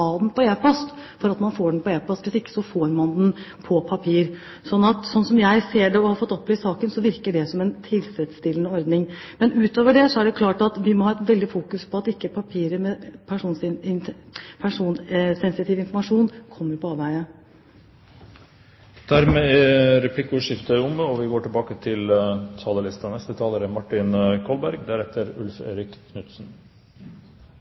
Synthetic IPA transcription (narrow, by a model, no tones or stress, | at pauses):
ɑːd̪npʰɔeːpʰɑst̪fɔɾɑt̪mɑnfoːɖnpɔeːpɑst̪ʋɪsɪkːə̥sɔfoːɾmɑnd̪n | pʰɔpʰɑpʰiːɾ | sɔnːɑt̪sɔnsɔmjæɪseːɖɛɔhɑɾfɔt̪ːɔpːlɪɪsɑːkənsɔʋɪɾkəɖɛsɔmɛnt̪ʰɪlsɾɛt̪st̪ɪlːənəɔɾd̪nɪŋ | mɛnʉːt̪oːʋəɖɛsɔæɖɛkʰlɑːʈɑt̪ʋɪmɔhɑːɛt̪ʋɛld̪ɪfuːkʉspʰɔɑt̪ɪkːəpʰɑpʰiːɾəmɛpʰæʂuːns | pʰæʂuːnsɛnsɪt̪ʰiːʋɪnfɔɾmɑʂuːnkʰɔmːəɾpɔɑːʋæɪə | d̪̥æɾmeːɛɾɛpʰlɪkːʊʂɪft̪əɾʊmːəɔʋɪɡoːʈɪlbɑːkət̪ʰɪlt̪ʰɑːləlɪst̪ɑnɛst̪ət̪ʰɑːləɾəmɑʈːɪnkʰɔlbæɾɡd̪æɾɛt̪ʰːəɾʉ̰lfḛːɾɪkkʰnʉt̪sn̩